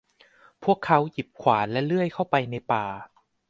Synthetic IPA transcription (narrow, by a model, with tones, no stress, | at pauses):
pʰu˥˩əkʰːa˦˥wji˨˩p̚kʰwaː˩˦nlɛ˦˥lɯ˥˩əjkʰa˥˩wpa˧jna˧jpaː˨˧